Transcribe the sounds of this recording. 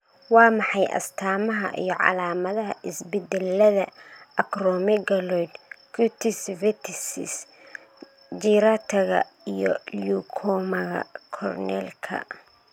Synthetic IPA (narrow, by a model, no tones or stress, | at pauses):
wɑːmɑħɑjʔɐ̰st̪ʰaːmɐɦɐ̰ʔḭjɞʕɑ̰laːmɐðɐɦɐʔɪsbɛd̪ɛlːɐðɐɐkrɔmɪɡɐlɔjd̪kut̪ʰɪsvɛt̪ʰɪsɪ̰s | d͡ʒiɾat̪ʰɐɣɐ̰ijɔ̰jukʰɔːmɐɣɐ̰kʰɔrnɛlkʰɐ̰